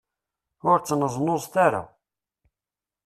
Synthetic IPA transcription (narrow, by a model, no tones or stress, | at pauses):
ʊɾt͡sːnəzˤnozˤt̪aɾa̰